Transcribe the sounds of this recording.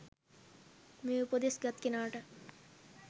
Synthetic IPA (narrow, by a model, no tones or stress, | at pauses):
meupod̪esɡɐt̪kinaːʈɐ